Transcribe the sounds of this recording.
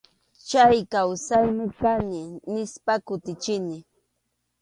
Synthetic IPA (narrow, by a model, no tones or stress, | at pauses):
t͡ʃajkawsajmɪkanɪnɪspakʊt̪ɪt͡ʃɪnɪ